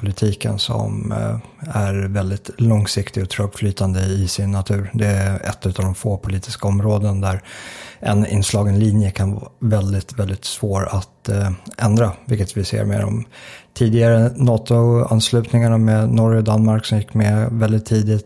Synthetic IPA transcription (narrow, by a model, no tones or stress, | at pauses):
pʰʊlɪt̪ʰiːkə̰nsɔ̰m | æɾvɛld̪ɪt̪lɔŋsɪkt̪ɪɡɔt̪ʰɾœbflyːt̪ʰand̪əɪsɪnːat̪ʰʉ̟ːɾd̪ɛɛ̰t̪ːʉ̟t̪aːvd̪ɔmfoːpʰʊliːt̪ɪskaɔmɾoːd̪ənd̪æɾʔɛnɪ̰nːslɑːɡɛnliːnjəkʰanvɑ̰ːvɛld̪ɪt̪vɛld̪ɪt̪svoːɾat̪ʔɛnd̪ɾavɪlkət̪vɪsḛːɾmḛːɾɔ̰mt̪ʰiːd̪ɪɡaɾənɑːt̪ʊa̰nslʉ̟ːt̪nɪŋaɳamednɔɾjɔd̪anmaɾksɔmjɪkːmɛvɛld̪ɪt̪ʰːiːd̪ɪt̪